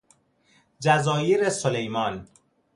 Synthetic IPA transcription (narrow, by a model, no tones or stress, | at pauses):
d͡ʒæzɒːjeɾesolejmɒːn